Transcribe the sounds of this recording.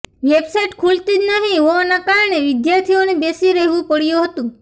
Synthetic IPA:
ʋebsajʈkʰult̪id͡ʒnəɦĩɦɔʋanakaɾəɳeʋɪd̪jaɾt̪ʰionebesiɾəɦʋũpəɽjũɦət̪ũ

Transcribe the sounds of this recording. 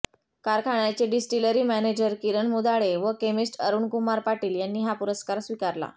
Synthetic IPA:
kaɾkʰaɳat͡ɕeɖisʈiləɾiːmæned͡ʑəɾkiɾəɳmud̪aɭeʋəkemisʈəɾuːɳkumaɾpaʈiːljanːiːɦapuɾəskaɾsʋikaɾla̰

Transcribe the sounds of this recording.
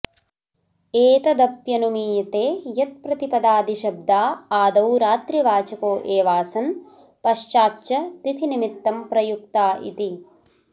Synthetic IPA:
eːt̪ɐd̪ɐpjɐnumiːjɐt̪eːjɐt̪̚pɾɐt̪ipɐd̪aːd̪iʃɐb̚d̪ʱaːaːd̪ɐwɾaːt̪ɾiʋaːt͡ʃɐkoːʔeːʋaːsɐn | pɐʃt͡ʃaːtːt͡ʃɐt̪it̪ʰinimit̪ːɐmpɾɐjuk̚t̪aːʔḭt̪i

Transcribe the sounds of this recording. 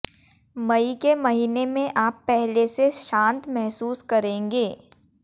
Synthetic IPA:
mɐikemɐɦiːnemẽʔaːpːɛɦleseʃãːnt̪mɛɦsuːskɐɾẽːŋɡeː

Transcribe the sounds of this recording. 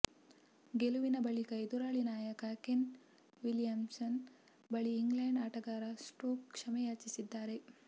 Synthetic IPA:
ɡeluʋinɐbɐɭikɐid̪uɾaːɭinaːjɐkɐken | ʋilijɐmsɐn | bɐɭiːŋɡleɳɖaːʈɐɡaːɾɐsʈoːkkʂɐmɛjaːt͡ʃisid̪ːaːɾe̞

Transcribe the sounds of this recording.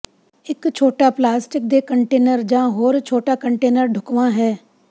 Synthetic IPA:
ɪkt͡ʃʰoːʈaːplaːsʈɪk̚d̪eːkəɳʈeːnəɾd͡ʒãːɦoːɾt͡ʃʰoːʈaːkəɳʈeːnəɾɖʱʊkʋãːɦɛː

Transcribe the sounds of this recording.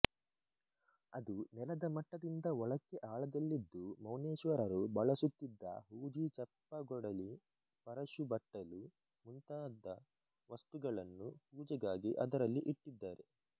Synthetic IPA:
ɐd̪unɛlɐd̪ɐmɐʈːɐd̪ind̪ɐɔɭɐkːeʔaːɭɐd̪ɐlːid̪ːumɐwneːʃʋɐɾɐɾubɐɭɐsut̪ːid̪ːɐ̰ɦuːd͡ʒit͡ʃɐpːɐɡɔɽɐli | pɐɾɐʃubɐʈːɐlu | munt̪aːd̪ːɐ | ʋɐst̪uɡɐɭɐnːuhuːd͡ʒɛɡaːɡiʔɐd̪ɐɾɐlːiʔiʈːid̪ːaːɾe̞

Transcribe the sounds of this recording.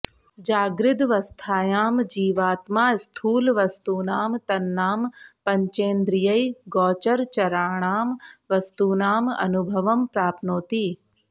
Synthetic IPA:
d͡ʒaːɡɾɪd̪ʋɐst̪ʰaːjaːmd͡ʒiːʋaːt̪maːst̪ʰuːlʋɐst̪uːnaːmt̪ɐnːaːmpɐɲt͡ʃẽːnd̪ɾɪjɐiɡɔːt͡ʃɐɾt͡ʃɐɾaːɳ̃aːmʋɐst̪uːnaːmɐ̰nubʱɐʋɐmpɾaːpʰnoːt̪iː

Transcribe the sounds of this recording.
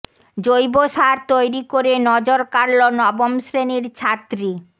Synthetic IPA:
d͡ʑojboʃaɾt̪ojɾikoɾenɔd͡ʑoɾkaɾlonɔbomʃɾeniɾt͡ɕʰat̪ɾi

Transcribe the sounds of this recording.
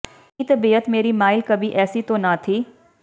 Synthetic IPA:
iːt̪ɐbiːət̪meːɾimaːɪlkɐbʱiʔɛːsit̪õnat̪ʰiː

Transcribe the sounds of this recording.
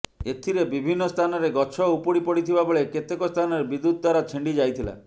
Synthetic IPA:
et̪ʰiɾebibʱinːɔst̪ʰanɔɾeɡɔt͡ʃʰɔupɔipɔɽit̪ʰibaboɭeket̪ekɔst̪ʰanɔɾebid̪ːud̪̚d̪waɾat͡ʃʰiɳɖid͡ʒajt̪ʰila̰

